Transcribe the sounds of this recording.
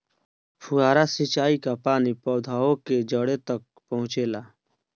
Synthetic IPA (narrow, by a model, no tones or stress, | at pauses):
pʰʊaːɾasit͡ʃaːikapaːnipɔːd̪ʱaːõked͡ʒəɽet̪ək̚pəɦʊ̃t͡ʃeːlaː